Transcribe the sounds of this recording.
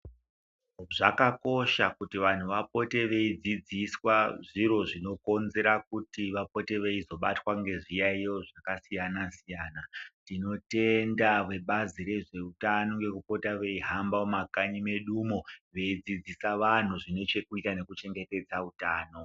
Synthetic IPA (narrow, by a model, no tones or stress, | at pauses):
ʐakako̞ʃakutiʋan̤uʋap̚o̞te̞ʋe̞id͡zid͡ziswaʐiɾo̞ʐino̞ko̞nze̞ɾakutiʋapo̞te̞ʋe̞izo̞ɓatwaŋɡe̞ʐijaijo̞ʐakasijanasijaːnatino̞te̞ndaʋwe̞ɓaziɾe̞ʐe̞utano̞ŋɡe̞kupo̞taʋe̞iɦambaomakaɲime̞ɗumo̞ʋe̞id͡zid͡zisaʋan̤uʐine̞t͡ʃe̞kuitane̞kut͡ʃe̞ŋɡe̞te̞d͡zautaːno̞